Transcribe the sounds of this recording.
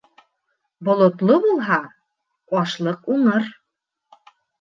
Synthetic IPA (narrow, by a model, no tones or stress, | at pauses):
bŏlˠŏt̪lˠobulˠɦɑ | ɒʃlˠɤquɴɤɾ